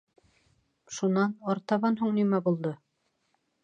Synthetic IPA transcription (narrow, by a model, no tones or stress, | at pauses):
ʃunɑnɑɾt̪ɑβɑnɦuɴnimæbulˠd̪ɤ